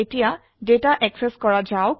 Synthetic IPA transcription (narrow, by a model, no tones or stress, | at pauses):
etija | detaʔɛksɛskɔɹad͡ʒaʊ